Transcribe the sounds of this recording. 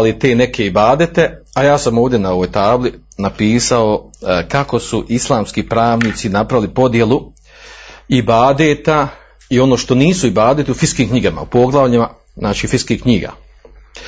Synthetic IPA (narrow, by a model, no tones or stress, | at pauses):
lit̪e̞ːne̞kʰe̞ibaːd̪e̞t̪e̞ajaːsamo̞ːʋdje̞nao̞ʋojt̪aːblinapiːsao̞kako̞suʔislˠaːmskipɾaːʋniːt̪sinapɾaʋilipo̞d̪je̞lu | ibaːd̪et̪a | io̞no̞ːʃt̪o̞niːsuibaːd̪et̪iufiskiːmkɲiɡama̰upo̞ɡlˠaʋʎima | znaːt͡ʃiːfiskihkɲiːɡa̰